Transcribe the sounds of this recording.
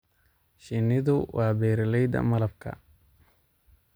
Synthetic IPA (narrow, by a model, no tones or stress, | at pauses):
ʃɪnɪðʊwɑːbɛːɾlɛjd̪ɐ̰mɐlɐb̚kʰɐ̰